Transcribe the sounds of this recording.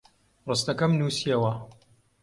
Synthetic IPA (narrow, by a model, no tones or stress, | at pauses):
rɨst̪ɐkɐmnusiewɐ